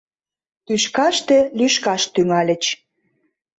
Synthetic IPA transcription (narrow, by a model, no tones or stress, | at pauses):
t̪yʃkɑʃt̪ĕlyʃkɑʃt̪yŋɑlʲə̆t͡ɕ